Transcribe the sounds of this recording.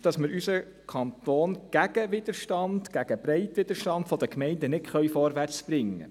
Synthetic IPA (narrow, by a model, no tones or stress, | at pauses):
d̥ɑsmɪɾysə | kʰɑnt̪oːnɡ̥æɡ̥əʋɪd̪əɾʃtɑnd̥ɡ̥æɡ̥əbɾɛɪtʋɪd̪əɾʃtɑnd̥fɔd̥̪əkmɛɪndənɪtχœɥfɔɾʋært͡sb̥ɾɪŋːə̰